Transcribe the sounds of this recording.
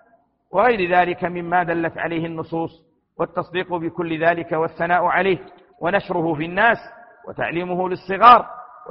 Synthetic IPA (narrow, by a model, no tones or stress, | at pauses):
wʔɑɣajɾɪðaːlɪkamɪmːaːd̪alːat̪ʕa̰lajhɪnːʊsˤuːsˤ | wat̪ːɑsˤd̪iːqʊbɪkʊlːɪðaːlɪkawaθːanaːʔʕalajh | wʔanaʃɾˤʊhʊfinːaːs | wa̰t̪a̰ʕliːmʊhʊlɪsˤːɨɣɑːɾˤw